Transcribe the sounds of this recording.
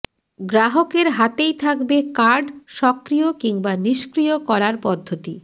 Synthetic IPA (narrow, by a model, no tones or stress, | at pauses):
ɡɾaɦokeɾɦat̪ejt̪ʰakbekaɾɖʃɔkɾijokiŋbaniʃkɾiokɔɾaɾpɔd̪ʱːot̪i